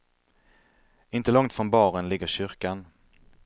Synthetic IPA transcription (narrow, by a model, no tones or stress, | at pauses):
ɪnt̪əlɔŋt̪fɾɔnbɑːɾənlɪɡːəɕʏɾkan